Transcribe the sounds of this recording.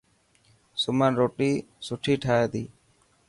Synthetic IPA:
sʊmənɾoːʈiː | sʊʈʰiːʈʰaːeːd̪iː

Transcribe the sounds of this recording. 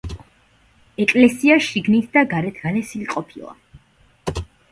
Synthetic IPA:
ɛkʼlɛsiaʃiɡnit̪ʰd̪aɡaɾɛt̪ʰɡ̥alɛsiliqʼɔpʰilˠa̰

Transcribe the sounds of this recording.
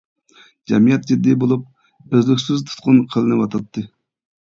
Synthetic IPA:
d͡ʒɛmijɛt̪̚d͡ʒid̪ːibolˠup̚ | øzlykʲsyzt̪ʰu̥t̪̚qʰʊnqʰəlˠɨnɨwɑt̪ʰɑt̪ʰːɨ

